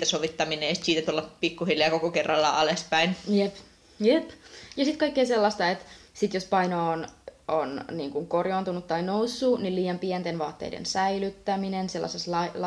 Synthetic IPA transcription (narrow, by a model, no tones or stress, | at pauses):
t̪æsoʋit̪ːɑmineːsi̥t̪siːt̪æt̪ulːɑpikːuhilːˑiɑkokokerːɑlːɑ̰ʔɑlespæinjep | jepjɑsit̪kɑikːeːselːɑst̪ɑet̪sit̪jospɑinoːnonniːŋkuŋkorjoːnt̪unut̪ːɑinousːuniliːjɑmpiɛnt̪enʋɑːt̪ːḛjdḛnsæilyt̪ːæminenselːɑ̰seslɑl